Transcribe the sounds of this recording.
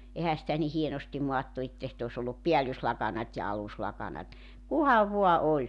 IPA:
ehæ sitæ ni hienostim moɑtːu etːæ sit os olːup piælːyslɑkɑnɑtʲ jɑ ɑluslɑkɑnɑt kuhɑʋ ʋo̝ɑ olʲ

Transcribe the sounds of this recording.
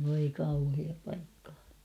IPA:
ʋoi kɑuhiɑː pɑikːɑ̥ː

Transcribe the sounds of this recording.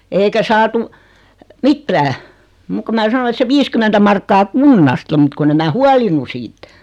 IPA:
eikæ sɑːtu mitːæː muk ko mæ sɑno et se ʋiːskymentæ mɑrkːɑː kunːɑstɑ mut kunː em mæː huɑlinu siːt

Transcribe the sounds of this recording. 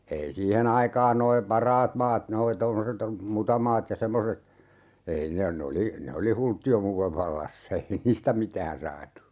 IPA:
ei siːhen ɑikɑːn noi pɑrɑːt mɑːt noi tomːoset mutɑmɑːt jɑ semːoset ei ne ne oli ne oli hultːiomuːleʋ ʋɑlːɑsːɑ ei niːstæ mitæːn sɑːtu

